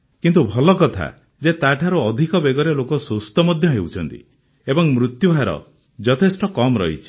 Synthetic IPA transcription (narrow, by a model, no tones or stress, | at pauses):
kint̪ubʱɔlɔkɔt̪ʰa̰ | d͡ʒet̪aʈʰaɾuɔd̪ʱikɔbeɡɔɾelokɔsost̪ɔmɔd̪ʱjɔɦewt͡ʃʰɔnt̪ḭ | ebɔŋmɾut̪jubʱaɾɔ̰ | d͡ʒɔt̪ʰesʈɔkɔmɾɔ̰ɦḭt͡ʃʰi̥